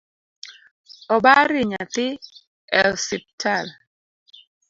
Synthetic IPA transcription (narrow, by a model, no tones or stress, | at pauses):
ɔbaɾɪɲat̪ɪ | ɛlsip̚tʰal